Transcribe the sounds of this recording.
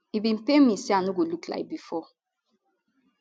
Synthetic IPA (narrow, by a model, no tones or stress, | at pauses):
ibin̩pemĩsianuɡolukla̰jk̚bifɔ